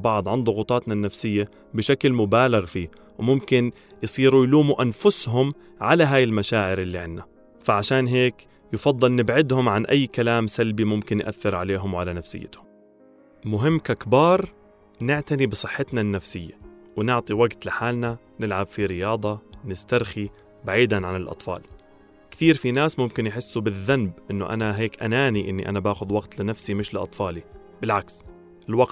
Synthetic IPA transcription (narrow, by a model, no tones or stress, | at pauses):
bɑʕd̪ˤʕɪnd̪ˤʊɣʊt̪ˤɑːt̪nanːafsɪjːa | bɪʃaklmʊbaːlaɣfiː | wmʊmkɪn | jsˤiːɾujluːmuʔanfʊsɦʊm | ʕalaɦaːjɪlmaʃaːʕɪɾʔɪlːiʕɪnːa | faʕaʃaːnɦeːk | jɪfɑd̪ˤːɨlnɪbʕɪd̪hʊmʕanʔajːkalaːmsalbimʊmkɪnjʔa̰θːɪɾʕaleːɦʊmwʕalanafsɪ̰jːɪ̰t̪ʊm | mʊɦɪmːkakbɑːɾˤ | nɪʕt̪anibɨsˤɨħːɪt̪nanːafsɪjːawnɪʕt̪ˤiwaɡt̪lɪħaːlna | nɪlʕabfiɾɪjɑːd̪ˤɑnɪst̪aɾˤxi | baʕiːd̪anʕanɪlʔɑ̰t̪ˤfɑ̰ːl | kt̪iːɾfinaːsmʊmkɪnjħɪsːubɪðːanbʔɪnːʊʔa̰naɦeːkʔanaːniʔɪnːiʔa̰nabaːxʊd̪waɡt̪lɪnafsimɪʃlɪʔɑ̰t̪ˤfɑːli | bɪlʕaks | ɪlwaɡt̪